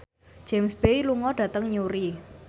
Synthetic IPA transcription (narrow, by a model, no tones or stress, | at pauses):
d͡ʒ̥ɛmsbeiluŋɔɖ̥ä̤t̪əŋɲuɾi